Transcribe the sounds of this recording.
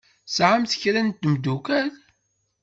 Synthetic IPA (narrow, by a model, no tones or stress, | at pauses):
sʕamθə̥çɾænt̪ːmd̪ukæl